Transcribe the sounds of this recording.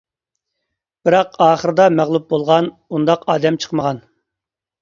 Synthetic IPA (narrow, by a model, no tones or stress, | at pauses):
b̥ɨɾɑqɑːχəɾɨd̪ɑmæʁlˠup̚bolˠʁɑn | und̪ɑqɑːd̪ɛmt͡ʃʰə̥qməʁɑn